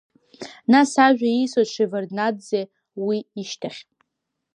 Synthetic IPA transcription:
nasaʒᶣaijsozʃʰʷiverdnadze | wiiʃtʰaχʲʼ

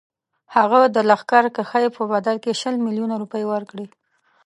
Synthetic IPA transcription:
haɣad̪əlaxkaɾkaxajepəbad̪alkeʃəlmiljunaɾupəjwəɾkɽi

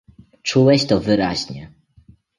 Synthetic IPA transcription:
t͡ʂuwɛɕt̪ɔvɘɾaʑɲɛ

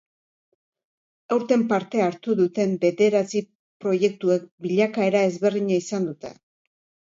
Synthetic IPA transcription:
awɾt̪e̞mpaɾt̪e̞aɾt̪uðut̪e̞mbe̞ðe̞ɾat͡si | pɾo̞je̞k̚t̪uek̚biʎakae̞ɾae̞zβe̞rðiɲaisand̪ut̪e̞̰

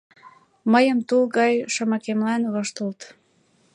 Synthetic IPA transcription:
məjəmt̪ulɣɑjʃəmɑkemlɑnβɤʃt̪əlt̪

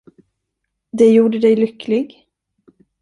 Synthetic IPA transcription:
d̪ɛjuːɖəd̪ɛjlʏkːlɪɡ

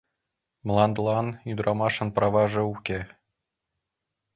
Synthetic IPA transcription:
mlˠɑnd̪lˠɑnyd̪ɾɑmɑʃɤ̆npɾɑβɑʒɤ̆ukʲe

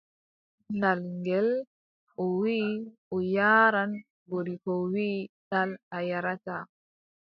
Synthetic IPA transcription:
nalŋɡɛl | ɔwiːɔjaːɾan | boɾikowiːtalajaɾata

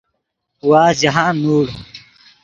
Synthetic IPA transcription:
waːzɐɦãːnuːɽ

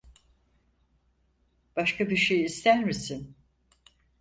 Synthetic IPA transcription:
b̥aʃkʰabiɾʃejːst̪ʰæɾmisin

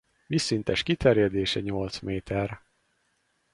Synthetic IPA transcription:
visːint̪ɛʃkit̪ɛrjɛd̪eːʃɛɲo̞lt̪smeːt̪ʰɛr

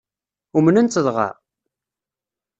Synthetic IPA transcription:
umənənt͡s̪ːəðˤʁɑ̰

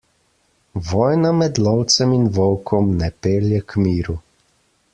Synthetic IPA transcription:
ʋɔːjnamɛd̪lɔwt̪sɛminʋɔwkʰɔmnɛpeːljɛkmiːɾu

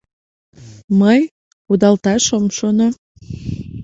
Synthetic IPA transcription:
məj | ud̪ɑlt̪ɑʃomʃono

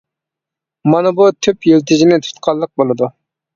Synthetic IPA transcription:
mɑnɨbut̪ʰypjelt̪ʰɪd͡ʒinɪt̪ʰy̥t̪qʰɑlˠːəq̚bolˠɨd̪u

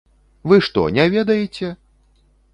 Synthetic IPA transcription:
vɨʂt̪ɔ̰nʲɛvʲɛd̪ɐjɛt͡sʲɛ

